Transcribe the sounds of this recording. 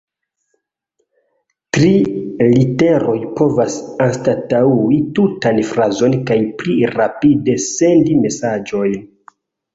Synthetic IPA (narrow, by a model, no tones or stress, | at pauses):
tɾilite̞ɾo̞jpo̞vasanstatauitutanfɾazo̞nkajpliɾapide̞se̞ndime̞sad͡ʒo̞jn